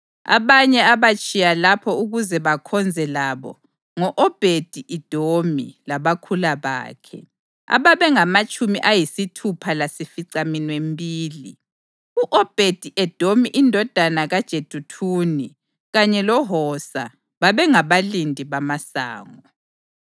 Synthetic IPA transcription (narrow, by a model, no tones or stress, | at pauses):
a̰βaɲɛaβat͡ʃʼijalapʰɔuɣuzɛβakʰɔnd͡zʱɛlaβɔ̰ | ŋɔʔɔb̥ʱed̥ʱiʔid̥ʱomilaβakʰulaβa̰ːkʰɛ̰ | a̰βaβɛŋamat͡ʃʼumiʔajisitʰupʰalasifiǀaminwembʱiːli | uʔɔb̥ʱed̥ʱiʔɛd̥ʱomiʔindʱɔd̥ʱanaɣad̥ʒ̥ʱed̥ʱutʰuːni | ɣaɲɛlɔɦɔsa̰ | βaβɛŋaβalindʱiβamasa̰ːŋɔ